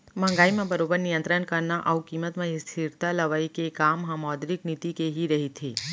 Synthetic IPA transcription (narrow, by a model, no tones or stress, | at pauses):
mə̃ŋ̆ɡaimãbəɾobəɾnijə̃nt̪ɾənkəɾnaʔaukimət̪mãɦist̪ʰiɾt̪aləʋaikekamɦãmɔd̪ɾiknit̪ikeɦiɾəɦit̪ʰi